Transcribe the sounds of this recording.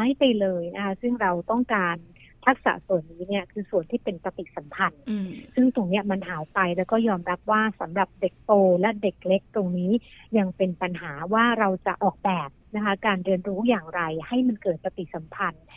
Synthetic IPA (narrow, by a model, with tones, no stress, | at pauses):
ma˦˥jpa˧jlɤː˧jna˦˥kʰa˦˥sɯ˥˩ŋɾa˧wt̪ɔ˥˩ŋkaː˧nt̪ʰa˦˥k̚sa̰˩˦su˨˩ənːiː˦˥ni˥˩ɐkʰɯː˧su˨˩ənt̪ʰiː˥˩pe˧npa˧t̪i˨˩sa˩˦mpʰa˧nsɯ˥˩ŋt̪o˨˧˩ŋni˦˥ɐma˧nɦaː˩˦jpa˧jlɛː˦˥wkɔː˥˩jɔː˧mɾa˦˥p̚waː˥˩sa˩˦mɾa˨˩p̚de˨˩k̚t̪oː˧lɛ˦˥de˨˩k̚le˦˥k̚t̪o˧ŋniː˦˥ja˧ŋpe˧npa˧nɦaː˩˦waː˥˩ɾa˧wt͡ɕa˨˩ʔɔː˨˩k̚bɛː˨˩p̚na˦˥kʰa˦˥kaː˧nɾɯ˧ənɾuː˦˥jaː˨˩ŋɾa˧jha˥˩jma˧nkɤː˨˩t̪̚pa˧t̪i˨˩sa˨˩˦mpʰa˧n